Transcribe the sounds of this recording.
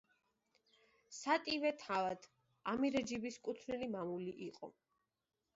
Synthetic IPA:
sat̪ʼivɛt̪ʰavad̪̥ | amiɾɛd͡ʒibiskʼut̪ʰnilimamuliʔiqʼɔ̰

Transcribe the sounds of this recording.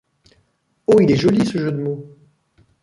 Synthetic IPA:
oilɛʒɔlisəʒød̪əmo

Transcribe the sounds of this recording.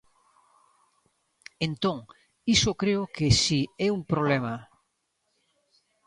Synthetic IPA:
ẽnt̪õŋ | isokɾeokesiɛumpɾoβ̞lema

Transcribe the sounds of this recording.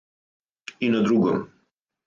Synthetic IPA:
inad̪ɾuɡɔm

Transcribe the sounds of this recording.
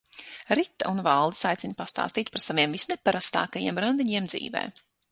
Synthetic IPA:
ɾit̪ːa̰ʔunvalˠd̪i̥sajt̪sinpast̪a̰ːst̪iːt̪̚ʲpaɾsaviɛmvisnɛpaɾast̪a̰ːkajiɛmɾand̪iɲiɛmd̪zḭːvɛ̰ː

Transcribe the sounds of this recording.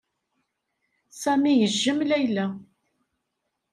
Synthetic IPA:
sæmijəʒːəmlæjlæ

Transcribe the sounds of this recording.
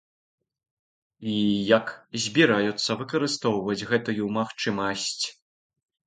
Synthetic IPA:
ijɐkzʲbʲiɾajut̪sːɐvɨkɐɾɨst̪ɔwvɐd͡zʲɣɛt̪ujumaxt͡ʂɨmɐsʲt͡sʲ

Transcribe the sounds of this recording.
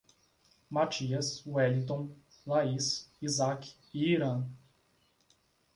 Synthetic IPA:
mat͡ʃiɐsuɛlĩt̪õw̃ | laisizak | iiɾɐ̃

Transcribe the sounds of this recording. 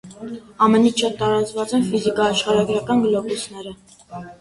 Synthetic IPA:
ɑmɛnit͡ʃʰɑt̪ːɑɾɑt͡svɑt͡sɛnfizikɑːʃχɑɾɑɡɾɑkɑnɡlɔkusnɛɾə

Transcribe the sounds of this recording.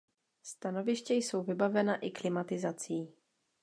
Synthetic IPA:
st̪ano̞vɪʃcɛjso̞wvɪbavɛnaʔɪklɪmat̪ɪzat͡siː

